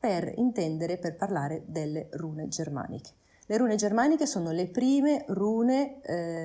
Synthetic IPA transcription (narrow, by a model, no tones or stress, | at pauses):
perḭnt̪ɛnd̪eɾeperparlaːɾed̪elːeruːned͡ʒerma̰ːnḭkʰe̥ | leɾuːned͡ʒermaːnikesoːnolepɾiːmeruːne